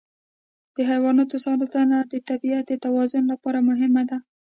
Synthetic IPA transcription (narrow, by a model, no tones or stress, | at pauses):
d̪̥əɦajwɑnɑt̪osɑɾat̪anad̪ət̪abiat̪̚d̪ət̪awɑzʊnlapɑɾamʊɦɪmad̪a